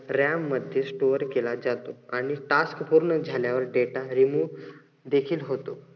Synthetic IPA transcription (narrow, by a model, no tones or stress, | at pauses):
ɾamːəd̪ʱjesʈoəɾkelad͡zat̪oaɽ̃iʈaskpuɾɳəd͡zʱaljaʋəɾɖeʈaɾimu | d̪ekʰiːlɦot̪o